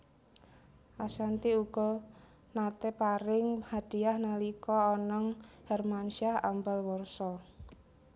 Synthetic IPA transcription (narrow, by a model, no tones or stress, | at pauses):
ʔasant̪iuɡ̥ɔ̤ | nat̪ɛpaɾɪŋhad̥i̤ahnalikɔɔnɔŋhɛrmanʃaha̰mbalwɔrsɔ